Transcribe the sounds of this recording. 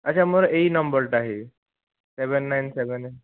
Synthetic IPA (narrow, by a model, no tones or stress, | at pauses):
ət͡ɕɕʰamuɭəʔeinəmbəɾʈaɦe | seʋənːajnseʋənn